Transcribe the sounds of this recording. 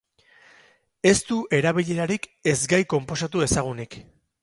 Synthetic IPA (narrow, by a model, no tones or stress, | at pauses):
e̞st̪uʔe̞ɾaβiʎe̞ɾaɾike̞zɡajko̞mpo̞s̬at̪ue̞saɣ̞unik